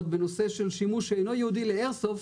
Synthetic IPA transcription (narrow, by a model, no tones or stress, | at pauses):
t̪̚benose̞ʃelʃimuʃeejno̞jehud̪ileeʁsof